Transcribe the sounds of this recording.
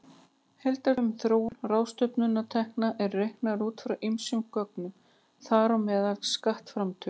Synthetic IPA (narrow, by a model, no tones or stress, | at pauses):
helt̪aɾʏmθɾoːw̪raːwst̪œpnʏnːat̪ʰɛhknaʔɛɾːejhknaɾuːt̪fɾawʔimsʏŋkːœk̚nʏm | θaɾɔmɛːðalskaht̪fɾamt̪ʰœ